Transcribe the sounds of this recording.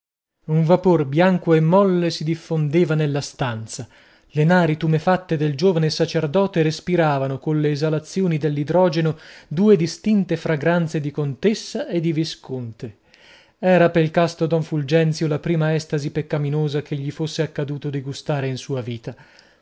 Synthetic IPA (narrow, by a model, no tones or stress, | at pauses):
uɱvaporbjaŋkoemːɔlːesid̪ifːond̪eːvanelːast̪ant̪sa | lenaːɾit̪umefat̪ːed̪eld͡ʒoːvanesat͡ʃerd̪ɔːt̪eɾespiɾaːvanokonleːzalat̪sːjoːnid̪elːid̪ɾɔːd͡ʒenod̪uːed̪ist̪int̪efɾaɡɾant̪sed̪ikont̪esːaʔed̪iviskont̪e | ɛːɾapeilkast̪od̪ɔɱfuld͡ʒɛnt̪sjolapɾiːmaɛst̪azipekːaminoːzakeʎːifosːeakːad̪uːt̪od̪iɡust̪aːɾeinsuːaviːt̪a